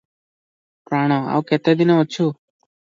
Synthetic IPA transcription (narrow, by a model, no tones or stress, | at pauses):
pɾaɽ̃ɔa̰uket̪ed̪inoot͡ʃʰu